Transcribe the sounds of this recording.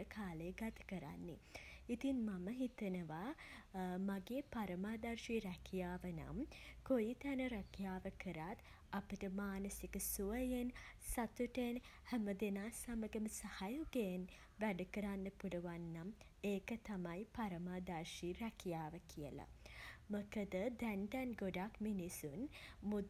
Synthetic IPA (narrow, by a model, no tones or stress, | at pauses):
əkʰaːləjəɡat̪ə̥kəɾa̰nːḭit̪inmaməɦit̪ənəʋa | maɡeːpaɾəmaːd̪arʃiɾækʰijaːʋəna̰mkojit̪ænəɾɐkijaːʋəkəɾat̪ | apəʈəmaːnəsikəsuəjensat̪uʈenhæməd̪enaːsaməɡəməsahajuɡen | ʋæɖukəɾanːəpuluʋanːam | eːkət̪amajpaɾəmaːd̪aɾʃiɾɛkijaːʋəkʰijə̰la̰məkəd̪əd̪ænd̪ɛnɡoɖakminisunmu